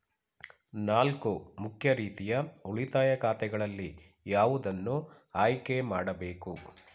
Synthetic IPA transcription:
naːlkumukʰjɐɾiːt̪ijɐuɭit̪aːjɐkaːt̪ɛɡɐɭɐlːi | jaːʋud̪ɐnːu | aːjkemaːɽɐbe̞ːku

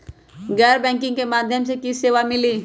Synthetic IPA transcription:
ɡɛːɾbɛ̃ːŋk̬ɪ̃ŋɡkemaːd̪ʱjəmsekiseːʋamɪliː

